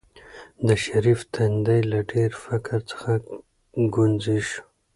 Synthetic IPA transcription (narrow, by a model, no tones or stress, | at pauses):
d̪əʃaɾift̪ʰand̪ajlaɖeɾfakaɾt͡sə̥xa | ɡunziʃ